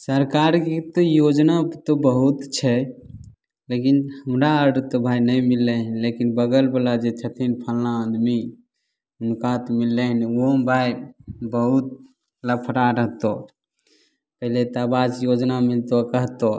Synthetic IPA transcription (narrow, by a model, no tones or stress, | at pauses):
səɾkaɾket̪ojod͡ʒnat̪ɔbəɦut̪t͡ʃʰɛ | lekinhəmɾaəɾɖt̪obʱajnəjmilːeɦnlekinbəɡəlbəlad͡ʒet͡ʃʰət̪ʰinpʰəlnaə̃d̪mi | ɦunkat̪milːəɦñbʱajbəɦut̪̚ | ləpʰəɾaɾəɦt̪o | pəɦilet̪abad͡ʒjod͡ʒnamilt̪okəɦt̪o